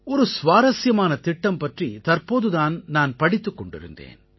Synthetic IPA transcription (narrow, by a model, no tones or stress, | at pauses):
ɔɾɯsʋaːɾɐsjɐmaːnɐt̪ɪʈːɐmpɐʈrit̪ɐrpoːðɯðaːnnaːnpɐɽɪt̪ːɯkːɔɳɖɪ̰ɾɯ̰nd̪ḛːn